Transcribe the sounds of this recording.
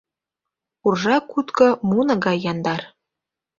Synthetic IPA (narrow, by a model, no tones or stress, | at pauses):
urʒɑkːut̪kɤ̆munɤ̆ɣɑjːɑnd̪ɑr